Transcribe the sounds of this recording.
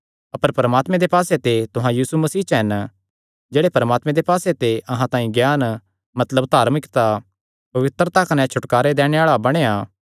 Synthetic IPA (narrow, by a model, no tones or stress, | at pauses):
ɐpəɾpɐɾəmaːt̪mẽd̪epaːset̪et̪ʊɦãjiːsumɐsiːt͡ʃɦɛn | d͡ʒeːɽepɐɾəmaːt̪mẽd̪epaːset̪eʔɐɦãt̪ãːĩɡjaːn | mɐt̪ləbt̪aːɾmɪkt̪a | pɐʋɪt̪ɾət̪akɐnɛ̃t͡ʃʰʊʈkaːɾed̪ɛːɽ̃eaːɭabɐɽ̃ea